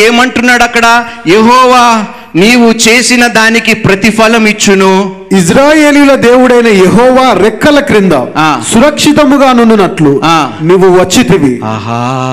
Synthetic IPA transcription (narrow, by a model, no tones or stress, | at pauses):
eːmɐɳʈunːaːɽɐkːɐɽɐjeɦɔːʋaː | niːwut͡ʃe̞ːsinɐd̪aːnikipɾɐt̪ipʰɐlɐmit͡ʃːunu | is̬ɾaːjeːlilɐd̪eːwuɽɐjnɐjeɦɔːʋaːɾɛkːɐlɐkɾind̪ɐ̰aːsuɾɐkʂit̪ɐmuɡaːnununːɐʈluaːniʋuʋɐt͡ʃːit̪iʋiaːɦa